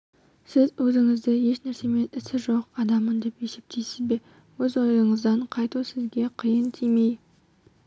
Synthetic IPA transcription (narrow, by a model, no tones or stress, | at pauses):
sɪzwɵzɪŋɪzd̪ɪje̞ʃnæɾse̞me̞nɪsɪʒo̞qɑd̪ɑmənd̪e̞pe̞sep̚t̪ʰejsɪzbe̞ | wɵzo̞jəɴəzd̪ɑɴqʰɑjt̪usɪzɡʲe̞qʰijənt̪ʰime̞j